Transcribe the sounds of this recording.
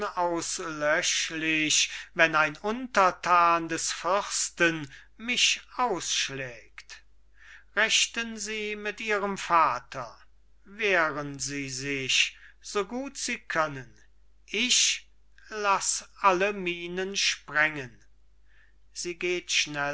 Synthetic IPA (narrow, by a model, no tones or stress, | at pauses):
aʊslœʃlɪʃvɛnaɪnʊntɐtʰaːndɛsfʏʁstən | mɪʃaʊsʃlɛːkt | ʁɛʃtənziːmɪtʔiːʁəmfaːtʰɐ | veːʁənziːzɪçz̥oːɡuːtz̥iːkʰœnən | ʔɪʃ | lasʔaləmiːnənʃpʁɛŋən | z̥iːɡeːtʃnɛ